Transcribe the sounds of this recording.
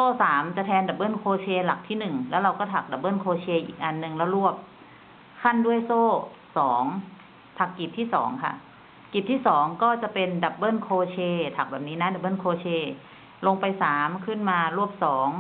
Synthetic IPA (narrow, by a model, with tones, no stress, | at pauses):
soː˥˩saː˩˦mt͡ɕa˨˩t̪ʰɛː˧nda˨˩p̚bɤː˥˩˨nkʰoː˧t͡ɕʰeː˧la˨˩k̚t̪ʰiː˥˩nɯ˨˩ŋlɛː˦˥wɾa˧wkɔː˥˩t̪ʰa˨˩k̚da˨˩p̚ːɤː˥˩˨nkʰoː˧t͡ɕʰeː˧ʔḭː˨˩k̚ʔa˧nːɯ˧ŋlɛ˦˥˩wɾu˥˩əp̚ | kʰa˥˨ndu˥˩əjsoː˥˩ | sɔː˩˦ŋ | t̪ʰa˨˩kːi˨˩p̪̚ʰiː˥˩sɔ̰ː˩˦ŋkʰa̰˥˩ | ki˨˩p̚t̪ʰiː˥˩sɔː˩˦ŋkɔː˥˩t͡ɕa˨˩pe˧nda˨˩p̚bɤː˥˩˨nkʰoː˧t͡ɕʰeː˧t̪ʰa˨˩k̚bɛː˨˩p̚niː˦˥naː˧˥˨da˨˩bɤː˥˩˨nkʰoː˧t͡ɕʰeː˧ | lo˧ŋpa˧jsaː˩˦mkʰɯ˥˩nmaː˧ɾu˥˩əp̚sɔː˩˦ŋ